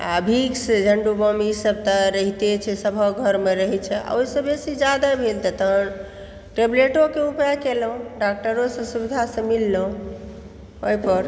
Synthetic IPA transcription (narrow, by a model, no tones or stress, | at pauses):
a̰bʱiksd͡ʒʱəɳɖubəmisəb̚t̪əɾəɦit̪et͡ʃʰɛsəbʱəɡʱəɾmeɾəɦɛt͡ʃʰɛa̰oisəbesid͡ʒad̪abʱelt̪ət̪ə | ʈebleʈokeupakelũɖak̚ʈəɾosə̃subid̪ʱasə̃milːoũ | oipəɾ